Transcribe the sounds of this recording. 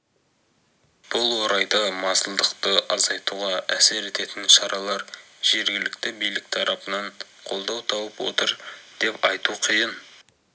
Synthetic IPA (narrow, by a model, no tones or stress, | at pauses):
b̥ʊlˠwoɾɑjd̪ɑmɑsəlˠd̪əqt̪əʔɑzɑjt̪uʁɑæse̞ɾe̞t̪e̞t̪ɪnʃɑɾʔɑlˠɑɾ | ʒ̥e̞ɾɡʲɪlɪk̚t̪ɪbijlɪk̚t̪ʰɑɾʔɑpənɑɴ | qʰo̞lˠd̪ɑwt̪ʰɑwəpwo̞̰t̪əɾd̪̥e̞pɑjt̪uqʰijən